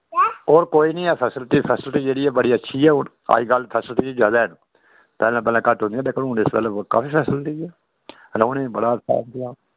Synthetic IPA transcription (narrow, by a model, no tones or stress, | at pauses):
oːɾkoːiːnĩːɛːpʰɛːsəlt̪iːpʰɛːsəlt̪iːd͡ʒeːɽiːɛːbəɽiːətːʃʰiːɛːɦʊɳ | a̰ːiɡəlpʰɛːsəlt̪iːd͡ʒəd̪ɛːnː | pɛːlãːp̬ɛːlãːkəʈɦõnd̪ijaːd̪eːkənũːnɪsbə̰ləbka̰ːfiːpʰɛːsəlt̪iɛː | ɾoːnẽːbəɽaːəsʰa̰ːnkəlaː